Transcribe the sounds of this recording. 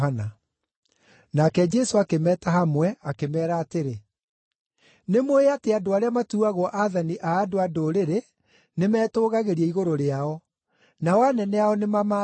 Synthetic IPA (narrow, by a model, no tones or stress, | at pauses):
ana | nakɛd͡ʒɛsoakemɛːtaɦamwɛakemɛːɾaːteɾe | nemoeateadoaɾeamatuaɣɔʔaðaniʔaːdoadoɾeɾe | nemɛːtoːɣaɣeɾiɛiɣoɾoɾeaɔ | nawanɛnɛaɔnemama